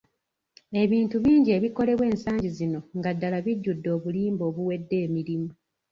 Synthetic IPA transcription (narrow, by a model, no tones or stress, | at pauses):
e̞βiːntuβiːɲɟie̞βikole̞βwe̞ːnsaːɲɟizino̞ŋɡadːalaβiɟːudːo̞ːβuliːmbo̞ːβuwe̞dːe̞ːmiɾimu